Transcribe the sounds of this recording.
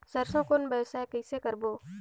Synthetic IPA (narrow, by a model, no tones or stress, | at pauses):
sɐɾsõkonbəːsɛ̃kəɪsekɐɾboː